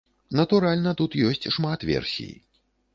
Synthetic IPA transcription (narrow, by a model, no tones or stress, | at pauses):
nɐt̪uɾalʲnɐt̪ut̪jɔsʲt͡sʲʂmat̪vʲɛ̰rsʲḭjḭ